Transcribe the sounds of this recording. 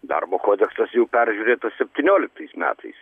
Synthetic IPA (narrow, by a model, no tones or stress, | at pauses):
d̪ɑ̰rboːkoːd̪ʲɛksɐsjɛʊpʲæɾʲʒʲuɾʲeːt̪ɐssʲɛpʲt̪ʲɪnʲoːlʲɪk̚t̪ɐɪsmʲæ̰ːt̪ʰɐɪs